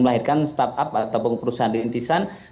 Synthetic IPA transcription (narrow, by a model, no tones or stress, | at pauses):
məlaɦɪrkanst̪apapat̪awpunpəɾusaɦandint̪isan